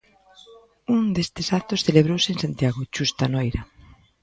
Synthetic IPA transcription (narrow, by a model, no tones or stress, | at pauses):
und̪est̪ɪsat̪osθeleβ̞ɾowsɪensant̪jaɣot͡ʃust̪anojɾɐ